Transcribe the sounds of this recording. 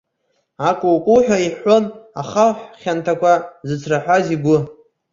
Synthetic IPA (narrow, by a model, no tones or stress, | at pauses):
akʷʼʊwkʷʼuħʷᶣaiħʷona̰χaħʷχʲantʰakʷʰazɨt͡sʷʰraħʷᶣaziɡʷʊ